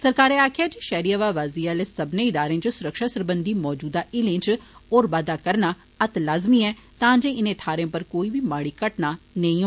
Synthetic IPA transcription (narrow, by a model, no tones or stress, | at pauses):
səɾkaːɾeːaːkʰɪjaːd͡ʒeːʃɛːɾiːaʋaːʋaːziːaːleːsəbnẽːɪd̪aːɾẽːt͡ʃsʊɾəkʃaːsəɾbənd̪iːmɔːd͡ʒuːd̪aːʔɪlẽːt͡ʃoːɾbaːd̪aːkəɾnaː | ət̪laːzmiːɛːt̪ãːd͡ʒẽːɪnẽːt̪ʰaːɾẽpəɾkoːiːbiːmaːɽiːkəʈnaːnəĩːɦo